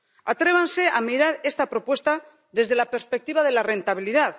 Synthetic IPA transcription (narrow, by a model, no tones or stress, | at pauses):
at̪ɾe̞β̞anse̞amiɾaɾe̞st̪apɾo̞pwe̞st̪a | ðe̞zðe̞lape̞ɾspek̚t̪iβað̞e̞lare̞nt̪aβ̞iliðað